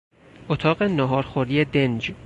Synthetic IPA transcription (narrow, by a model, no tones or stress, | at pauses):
ʔot̪ʰɒːɣenɒɦɒːɾxoɾiːed̪end͡ʒ